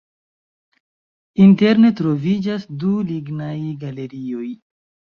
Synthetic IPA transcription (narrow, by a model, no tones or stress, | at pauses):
inte̞ɾne̞tɾo̞vid͡ʒasduliɡnajɡale̞ɾio̞j